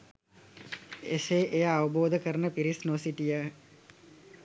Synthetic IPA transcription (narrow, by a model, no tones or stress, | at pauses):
ḛseːʔejaːʋəboːd̪ʱəkəɾənəpiɾisnosiʈijə